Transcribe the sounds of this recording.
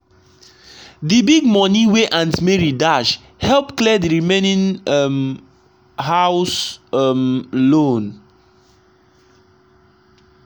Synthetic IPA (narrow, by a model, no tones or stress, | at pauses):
dibiɡ̚mɔniweʔãntmeɹidaʃ | hɛlpklɛdiɹimenĩnm | hawsmlõn